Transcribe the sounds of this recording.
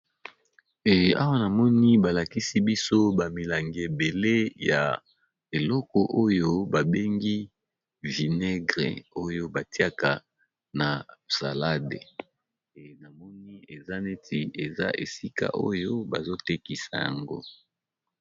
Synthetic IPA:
e˨a̰˦wa˦na˨mɔ˦ni˦ba˨la˨ki˦si˦bi˦so˦ba˨mi˨la˨ŋɡe˨be˨le˦ja˨ | e˨lɔ˦kɔ˨ʔo˦jo˦ba˨be˦ŋɡi˦ | vi˨ne˦ɡʁḛ˨o˦jo˦ba˨ti˦a˦ka˨ | na˨sa̰˨la˦dḛ˨ | e˨na˨mɔ˦ni˦e˨za˦ne˦ti˨e˨za̰˦ʔe˨si˦ka̰˨ʔo̰˦jo˦ba̰˨zo˦te˦ki˨sa̰˨ja̰˨ŋɡo̰˦

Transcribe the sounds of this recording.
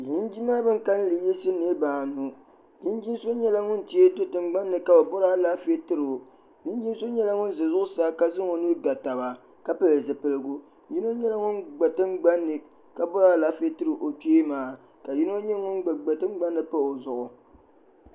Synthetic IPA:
jɪ˦nd͡ʒi˦m˦a˦bɨ˦ŋ˦ka˦n˦lɨ˨jɛ˦sɨ˦ne˦baː˨nu˦ | jɪ˦nd͡ʒi˦so˦ɲɛ˦la˦ŋʊ˦n˦ti˦e˦do˦tɨ˨ŋ͡mɡ͡ba˦nːɨ˨ka˨ba˨bɔ˦ɾa˦la˦fe˦tɨ˦ɾɨ˨ | ɲɪ˦d͡ʒi˦m˦so˦ɲɛ˦la˦ŋʊ˦n˦zɨ˨zʊ˦ʊ˦saː˦ka˦zɨ˦ŋo˨nu˦ɾɡa˨ta˨βa˨ | ka˦pɨ˦lɨ˨zɨ˨pɨ˨lɨ˦ɡʊ˦ | ji˦no˦ɲɛ˦la˦ŋʊ˦nɡ͡ba˨tɨ˦ŋ͡mɡ͡ba˦nːɨ˨ | ka˨bɔ˦ɾaː˦la˦fe˦tɨ˦ɾɨ˨ʔo˨ti˦e˦maː˨˦ | ka˨ji˦no˦ɲɛ˦ŋʊ˦nɡ͡ba˨ɡ͡ba˨tɨ˦ŋ͡mɡ͡ba˦nːɨ˨pa˦o˨zʊ˨ʔʊ˨

